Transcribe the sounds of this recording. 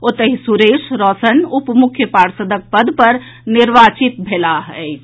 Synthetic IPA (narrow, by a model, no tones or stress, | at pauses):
ot̪əɦisuɾesɾɔsənupmukʰjəpaɾsəd̪ək̚pəd̪ʱpəɾ | niɾbat͡ʃit̪bʱelaɦəjt͡ʃʰ